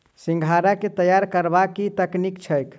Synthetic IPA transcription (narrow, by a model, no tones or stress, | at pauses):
sĩŋɡʱaɾaket̪əjaɾkəɾbakit̪əknikt͡ʃʰəjk